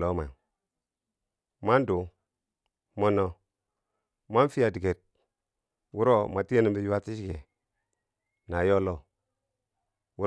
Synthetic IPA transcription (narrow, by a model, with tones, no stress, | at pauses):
lo˦ma˨ | ma˦ndu˨ | mo˦nɔ˦ | ma˦n˦fi˦a˨di˨ɡe˨t̚ | wu˦ɾo˦ma˨ti˦e˦ni˨mbi˨ju˦a˦ti˦ʃi˦ɡe˨ | na˨jo˦lo˦˨ | wu˦